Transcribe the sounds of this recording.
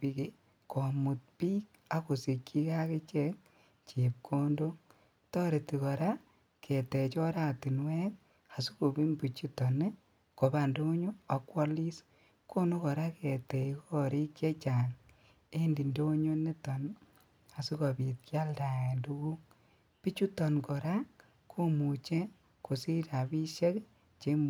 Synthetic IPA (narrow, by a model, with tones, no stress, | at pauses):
pi˨˦ki˦ | ko˨mu˨t̚piː˦k̚ | a˦ko˨si˨kːi˦ka˦ke˦t͡ʃɛ˦k | t͡ʃe˨p̚kʰo˦ndo˦ | tɔ˦ɾe˨ti˨kɔ˨ɾa˦ | kʰe˨te˨t͡ʃɔ˦ɾa˨ti˨nwɛ˦k̚ | a˨su˦ko˨bi˦mbu˨t͡ʃi˦tɔ˨ne˦ | ko˨ba˨ndo˦ɲo˦a˨kwɔ˦li˦s | ko˦no˦kɔ˨ɾa˦kɛ˨tɛ˨i˦kɔ˦ɾi˦ke˦t͡ʃa˨ŋ | e˦ndi˨ndo˦ɲo˦ne˦tɔ˨n | a˨su˦ko˨bi˨t̚kja˦lda˨e˨ndu˦ɡu˦ | pi˦t͡ʃu˦tɔ˨nkɔ˨ɾa˦ | kʰːo˦mu˨t͡ʃe˦ | ko˨si˦ta˨bi˦ʃe˦k | t͡ʃe˦m